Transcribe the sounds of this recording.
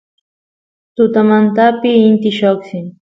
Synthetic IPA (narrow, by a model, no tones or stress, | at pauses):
t̪ʊt̪amant̪apɪːnt̪ɪʃoksɪn